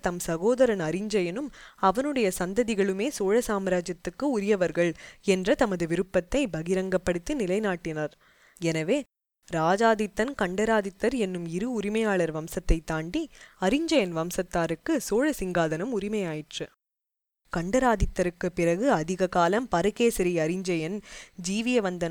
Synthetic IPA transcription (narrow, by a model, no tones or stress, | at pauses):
t̪ɐmsɐɣoːðɐɾɐnɐɾɪɲd͡ʒɐjɐnɯmɐʋɐnɯɽɐjɐsɐnd̪ɐðɪɣɐɭɯmeːsoːɻɐsaːmɐɾaːd͡ʒɐt̪ːɯkːɯʊɾɪjɐʋɐɾɣɐɭɛndrɐt̪ɐmɐðɯʋɪɾɯpːɐt̪ːɐɪbɐɣɪɾɐŋɡɐpːɐɽɯt̪ːinɪlɐɪnaːʈːɪnɐɾ | ɛnɐʋeː | ɾaːd͡ʒaːðɪt̪ːɐnkɐɳɖɐɾaːðɪt̪ːɐɾɛnːɯmɪɾɯʊɾɪmɐjaːɭɐɾʋɐmsɐt̪ːɐɪt̪ːaːɳɖiɐɾɪɲd͡ʒɐjɐnʋɐmsɐt̪ːaːɾɯkːɯsoːɻɐsɪŋɡaːðɐnɯmʊɾɪmɐjaːjɪʈrɯ | kɐɳɖɐɾaːðɪt̪ːɐɾɯkːɯpːɪrɐɣɯɐðɪɣɐkaːlɐmpɐɾɯɣeːsɪɾɪɐɾɪɲd͡ʒɐjɐnd͡ʒiːʋɪjɐʋɐnd̪ɐnɐ